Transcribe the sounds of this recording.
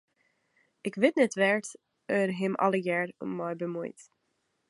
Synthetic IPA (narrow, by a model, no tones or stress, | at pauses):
ɪkʋɪtnɛtʋɛɹt | ərɦɛmʔɑ̰ləjɛːrṵmːɔjbəmujt